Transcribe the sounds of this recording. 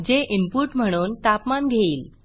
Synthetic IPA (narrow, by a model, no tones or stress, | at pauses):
d͡ʑeʔimpuʈm̤əɽ̃uːnt̪apmanɡʱeiːl